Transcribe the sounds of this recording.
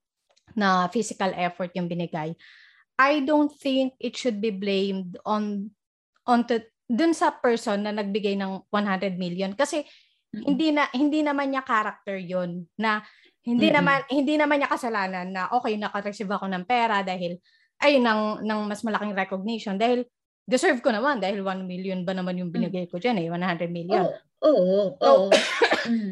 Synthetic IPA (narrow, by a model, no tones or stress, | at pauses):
nɐfisɪkɐlʔɛfoɹt̪̚jʊŋbɪnɪɡaj | ʔajd̪ownt̪̚θɪŋk̚ʔɪt̪ʃʊd̪̚biblẽjmd̪on | ʔont̪u | d̪ʊnsɐpɛɹsonːɐnɐɡ̚bɪɡajnɐŋwanɦand̪ɾɛd̪̚miljonkɐsɛ | hɪnd̪inɐhɪnd̪inɐmanɲɐkaːɾɐk̚t̪ɛɹjonːɐ | hɪnd̪inɐmanhɪnd̪inɐmanɲɐkɐsɐlaːnɐnːɐʔo̞ːkɛjnɐkɐɾɛsɪvɐko̞nɐŋpɛːɾɐd̪aːhɪl | ʔɐjnɐŋnɐŋmɐsmɐlɐkɪŋɾɛkoɡ̚nɪʃond̪aːhɪl | d̪ɪsɛɹvkonɐmand̪aːhɪlwanmiljonbɐnɐmanjʊŋbɪnɪɡajkod͡ʒanɛwanhand̪ɾɛd̪̚miljon | oːʔʔo